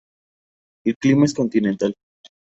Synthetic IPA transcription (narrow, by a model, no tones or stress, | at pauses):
elklimaesko̞nt̪inent̪al